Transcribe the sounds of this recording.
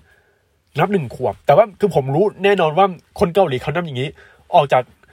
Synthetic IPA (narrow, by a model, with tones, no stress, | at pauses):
na˦˥p̚nɯ˨˩ŋkʰu˨˩əp̚t̪ɛː˨˩waː˥˩kʰɯː˧pʰo˩˦mɾuː˦˥nɛː˥˩nɔː˧nwaː˥˩kʰo˧nka˧wliː˨˩˦kʰa˥˩na˦˥ja˨˩ŋiː˦˥ | ʔɔː˨˩k̚t͡ɕaː˨˩k̚